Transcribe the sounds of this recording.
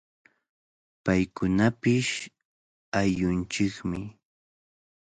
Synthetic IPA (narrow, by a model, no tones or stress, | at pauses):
pajkʊnapɪʃ | ajʊnt͡ʃɪkmɪ